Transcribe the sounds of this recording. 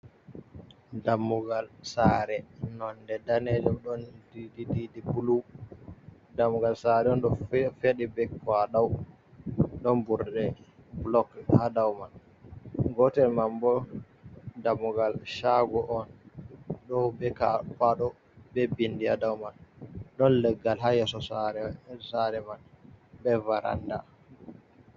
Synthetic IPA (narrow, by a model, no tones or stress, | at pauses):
damːuɡalsaɾɛnɔndɛdanɛd͡ʒɔmɗɔndidididipulu | damːuɡalsaɾɛɔnɗɔfeɗibɛkwaɗaw | ɗɔnbuɾɗɛblɔkhadawmal | ɡɔtɛlmambɔ | damuɡalʃaɡɔʔɔn | ɗɔbɛkapaɗɔ | bɛbindiadawmanɗɔnlɛɡːalɦajɛsɔsaɾɛsaɾɛmanbɛvaɾa̰nda̰